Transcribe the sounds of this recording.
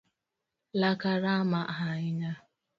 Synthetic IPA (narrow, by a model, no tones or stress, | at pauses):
lakaɾamaɦaɪɲa